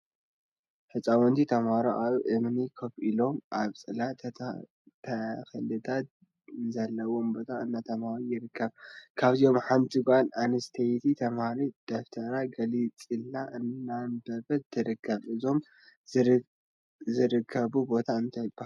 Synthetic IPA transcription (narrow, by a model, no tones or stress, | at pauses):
ħɨt͡sʼawɔnt̪ʰit̪ʰɐmhaɾoʔaβʔemnikʰɐfʔilo̞mʔaβt͡sʼɨla | t̪ʰɐxɐlɨt̪ʰat̪ | nzɐlːɐwo̞mbo̞t̪ʰaɨnːat̪ʰɐmhaɾujɪɾɨkːɐβkʰaβzio̞mħamt̪ʰiɡʷʼʔananɐst̪ʰɐjt̪ʰit̪ʰɐmhaɾid̪̥oft̪ʰɐɾaɡɐlit͡sʼilːaʔɨnːanbɐbɐt̪ʰɨɾɨkʰːɐβʔɨzo̞m | zɨɾɨkʰːɐβubo̞t̪ʰaɨnt̪ʰɐjb̥aa